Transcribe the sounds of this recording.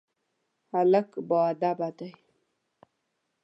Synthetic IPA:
haləkboad̪abat̪aj

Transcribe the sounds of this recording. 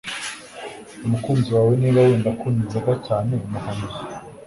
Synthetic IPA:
umukuːmziwaweniɾajeːndakunizaɡacaːne̞muhanz

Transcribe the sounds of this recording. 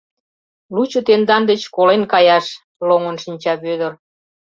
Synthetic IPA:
lut͡ɕŏt̪end̪ɑnd̪et͡ɕkolenkɑjɑʃ | loŋə̆nʃinʲt͡ɕɑpød̪ər

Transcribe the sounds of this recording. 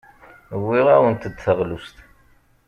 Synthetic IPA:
wːiʁæwənt̪əd̪θəʁlust̪

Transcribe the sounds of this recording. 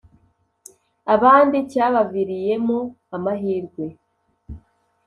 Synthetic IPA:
aβaːndicaːβaviɾije̞mo | amaɦiːɾɡwe̞

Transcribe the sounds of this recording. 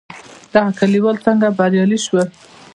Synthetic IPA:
d̪̥aɣakaliwəlt͡saŋɡabaɾjɑliʃwə

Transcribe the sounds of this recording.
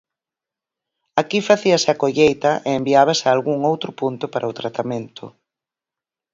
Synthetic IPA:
akifaθiɐsɪakoʎejt̪ɐʔeembiaβ̞asɪaːlɣuŋowt̪ɾʊpunt̪ʊpaɾʔɐʊt̪ɾat̪amẽnt̪ʊ̰

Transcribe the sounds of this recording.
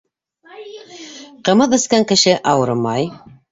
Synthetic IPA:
qɤ̆mɤðɘ̆skæŋkɘ̆ʃɘʔɑwɤɾɤmɑj

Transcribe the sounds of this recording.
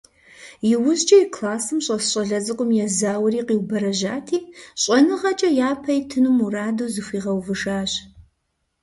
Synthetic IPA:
jɪwʊzt͡ʃʼɐjkʰlaːsɨmɕʼɐsɕʼɐɮɐzɨkʷʼʊmjɛzaːwɐɾiːqiːwbɐɾɐʑaːtʰiːɕʼɐnɨʁɐt͡ʃʼɐjaːpʰɐjtʰɨnumuraːdozɨfʷiːʁɐwvɨʃaːɕ

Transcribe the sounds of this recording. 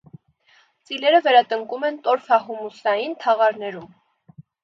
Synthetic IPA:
t͡silɛɾəvɛɾɑt̪əŋkumɛnt̪ɔɾfɑɦumusɑjint̪ʰɑʁɑɾnɛɾum

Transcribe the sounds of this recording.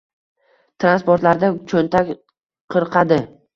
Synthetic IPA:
t̪ʰɾanspoɾt̪laɾd̪at͡ʃʰɵnt̪ʰakʲ | qʰɨɾqʰɑd̪ɪ

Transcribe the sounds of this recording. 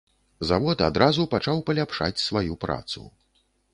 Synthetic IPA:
zavɔt̪a̰d̪ɾazupat͡ʂawpɐlʲapʂa̰t͡sʲsvajupɾa̰t̪sṵ

